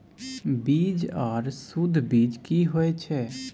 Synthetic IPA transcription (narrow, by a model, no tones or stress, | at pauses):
biːd͡ʒɔːɾsud̪ʱbiːd͡ʒkiɦoet͡ʃʰɛ